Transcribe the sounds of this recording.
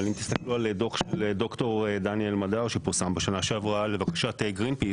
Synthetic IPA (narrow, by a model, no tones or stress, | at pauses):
alimt̪i̥st̪aklualed̪o̞χʃeled̪o̞kt̪o̞ʁed̪anielmadaʁʃepiʁsambaʃanaʃeavuale̞vakḁʃat̪eɡʁinpi